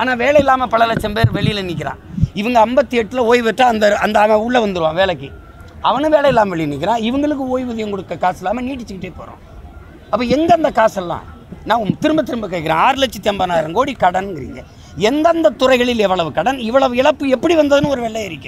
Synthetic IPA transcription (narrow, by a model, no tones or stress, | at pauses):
aːnaːʋeːɭɐjɪlːaːmɐpɐɭɐlɐt͡ʃːɐmpeːɾʋɛɭɪjɪlɐnik̬ːɪɾã̰ːɪʋɐŋɡɐɐmbɐt̪ːɯjɛʈːɯlɐoːjʋɐʈːaɐnd̪ɐɐnd̪ɐamɐʊɭːɐʋɐnd̪ɯɾɯʋãːʋeːɭɐkːɯ | ɐʋɐnɯʋeːlɐjɪlːaːmɐʋɛɭɪjnik̬ʲːɪɾãːɪʋɐŋɡɐɭɯk̬ːɯoːjʋɪðɐjɐŋkɔɽɯkːɐkaːsɪlːaːmɐniːʈ̬ːɪt͡ʃːɯkɪʈːeːpo̰ːɾõ̰ː | ɐpːɐɛnɡɐɐnd̪ɐkaːsɐlːã̰ː | nãːmt̪ɪɾɯmbɐt̪ːɪɾɯmbɐk̬ːɐkːɪɾḛ̃ːaːɾlɐt͡ʃːɯt̪ːɪɐmbɐnaːjɪɾɐŋɡoːɽikɐɽɐnɡɪɾɪ̰ŋɡɐ̰ | ɛnd̪ɐnd̪ɐt̪ʊɾɐɪɣɐɭɪlɛʋːɐɭɐʋɯkɐɽɐnɪʋːɐɭɐʋɯɪɭɐpːɯɛpːɐɽiʋɐnd̪ɐðɯnɯ̃ɔɾɯʋɛːɭːɐjɪɾɪkʲːʊ̃